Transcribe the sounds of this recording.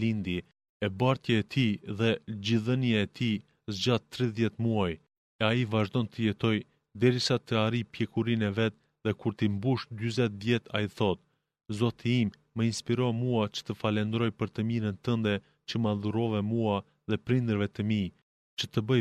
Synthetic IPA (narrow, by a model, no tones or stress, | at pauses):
ind̪i | ɛbaɾt̪jaɛt̪ʰiðɛd͡ʑiðənijaɛt̪i | zd͡ʑat̪t̪ːɾiðjɛt̪muaj | ɛaivaʒd̪ɔnt̪ʰəjɛt̪ɔj | d̪ɛɾisat̪əaɾipjɛkuɾinɛvɛt̪̚ | ðɛkuɾt̪imbuʃd̪yzɛt̪vjɛt̪ʰa̰jiθɔt̪̚ | zɔt̪ʰiimːəinspiɾɔmuat͡ʃə̥t̪əfalɛnd̪ɾɔjpəɾt̪əmiɾənt̪ənd̪ɛ | t͡ɕəmaðuɾɔvɛmua | ðɛpɾind̪əɾvɛt̪əmi | t͡ʃət̪əbə